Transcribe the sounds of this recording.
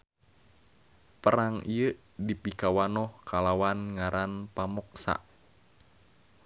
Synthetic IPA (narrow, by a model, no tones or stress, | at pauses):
pəɾaŋijə | dipikawanɔhkʰalawanŋaɾʔanpamɔk̚sa̰ʔ